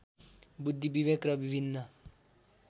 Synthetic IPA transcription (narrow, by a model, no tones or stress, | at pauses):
bud̪ʱːibibekrʌbibʱinːʌ